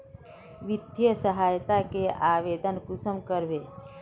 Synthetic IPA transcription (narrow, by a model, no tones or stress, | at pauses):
ʋɪd̪jəsəɦaːjt̪akeʔaːʋeːd̪ʱənkʊsəmkəɾʋeː